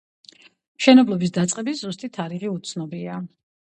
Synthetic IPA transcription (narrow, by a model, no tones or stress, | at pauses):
mʃɛnɛblˠɔbisd̪at̪sʼqʼɛbizust̪ʼit̪ʰaɾiʁiut̪sʰnɔbia